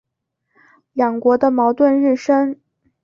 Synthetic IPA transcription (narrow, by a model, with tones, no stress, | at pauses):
jɑ˨˩ŋkwɔ˧˥d̪ə˧mɑ˧˥ʊt̪wə˥˧nɻɻ̩˥˩ʂə˥ŋ